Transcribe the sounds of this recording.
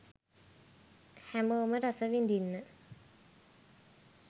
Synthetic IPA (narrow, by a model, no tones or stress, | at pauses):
hæmoːməɾasəʋind̪inːə